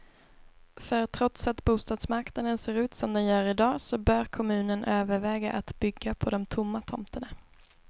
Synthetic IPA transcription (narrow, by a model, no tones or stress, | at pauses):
fœɾt̪ʰɾɔt̪sat̪buːst̪ɑːd̪smaɾknad̪ənseːɾʉ̟ːt̪sɔmd̪ɛnjœːɾɪd̪ɑːsɔbœːɾkʰɔmʉ̟ːnənʔøːvəɾvɛːɡaʔat̪bʏɡːapʰɔd̪ɔmt̪ʰʊmːat̪ʰɔmt̪əɳa